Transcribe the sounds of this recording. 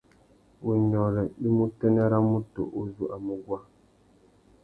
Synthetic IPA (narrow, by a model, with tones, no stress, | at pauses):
wu˨ɲɔ˨ɾɛ˨i˦mu˦tɛ˦nɛ˦ɾa˦mu˦to̰˨ʔu˦zu˦ʔa˨mu˦ɡwa˦